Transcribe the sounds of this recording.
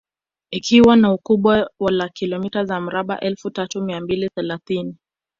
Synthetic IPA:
ikʰiwanaukuɓwawalakilɔmitazam̩ɾaɓa̰ʔɛlfutatumiambiliθɛlaθini

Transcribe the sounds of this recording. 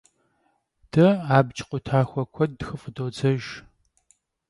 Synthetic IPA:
d̥ɐaːbt͡ʃʰʼqʷʼʊtʰaːxʷɔkʷʰɔd̚dxɨfʼdoːd͡zɐʒ

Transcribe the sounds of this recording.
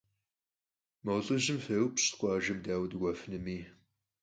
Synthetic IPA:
mɐwɮʼɨʑɨmfɐwɨpɕqʷʼɑːʒɐmdaːwdɨɡʷɐfɨnɨmiː

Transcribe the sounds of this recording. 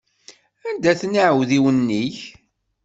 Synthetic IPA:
ænd̪æθnəʕəwðiwənːiç

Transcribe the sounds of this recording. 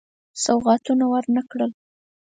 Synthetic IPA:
sawɣɑt̪unawəɾnakɽəl

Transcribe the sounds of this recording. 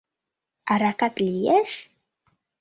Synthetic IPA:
ʔaɾakat̪ʼlieʃ

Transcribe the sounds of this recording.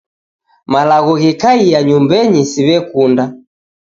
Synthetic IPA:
malaɣɔɣikaijaɲumbɛɲisiβɛkunda

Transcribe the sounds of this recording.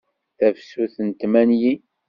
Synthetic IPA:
θæfsuθənt̪mænji

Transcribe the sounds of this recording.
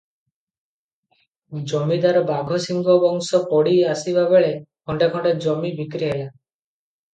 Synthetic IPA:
d͡ʒɔmid̪aɾɔbaɡʱɔsiŋɡʱɔbɔŋsɔkɔɽiasibabeɭekʰɔɳɖakʰɔɳɖed͡ʒɔmibikɾiɦela

